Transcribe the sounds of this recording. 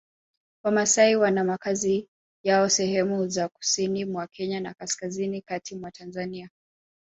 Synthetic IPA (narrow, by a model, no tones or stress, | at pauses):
wamasaiwanamakazi | jaɔsɛhɛmuzaku̥sinimwakʰɛɲanakaskazinikatʰimwatʰanzania